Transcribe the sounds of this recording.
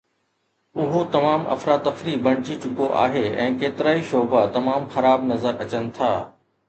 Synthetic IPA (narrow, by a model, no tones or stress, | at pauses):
ʊɦot̪ɐmaːmɐ̰fɾaːt̪ːɐfɾibɐɽ̃ɪd͡ʑit͡ɕʊkoʔa̰ːɦeɛ̃ːkeːt̪ɪɾaːiʃoːbat̪ɐmaːmxɐɾaːbnɐzəɾɐt͡ɕənɪ̆t̪ʰaː